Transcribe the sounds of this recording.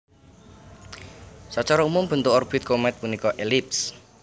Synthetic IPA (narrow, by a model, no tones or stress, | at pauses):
sat͡ʃaɾɔumʊmb̥ə̤nt̪ʊkɔrb̥ɪt̪̚komɛt̪̚punikɔʔelips